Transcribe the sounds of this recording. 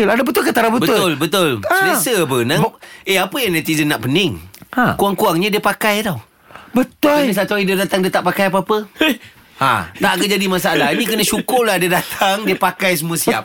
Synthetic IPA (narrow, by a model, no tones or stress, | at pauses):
ladabət̪ʊlkət̪aɾabətbəʊtʊlbət̪ʊlsasəbənaeapəjaŋnɛt̪izənːaʔpənɪŋakuaŋkuaŋɲədiəpakajt̪aw | bət̪ʊlnə̃sat̪uaidiədat̪aŋdiət̪aʔpakajap̬əapə | a̰t̪aʔkəd͡ʒadimasaalaɦinĩkənə̃ʃukʊrladiədat̪ʰaŋdiəpakajs̬əmũasia̰p̚